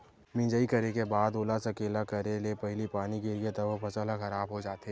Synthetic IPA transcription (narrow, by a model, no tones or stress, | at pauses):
mɪ̃ːd͡ʒəikɐɾekebaːd̪oːlasɐkeːlakɐɾelepɐɦɪlipaːniɡɪɾɡet̪ɐbəpʰɐsəlaxɐɾaːbɦod͡ʒaːt̪ɦɛ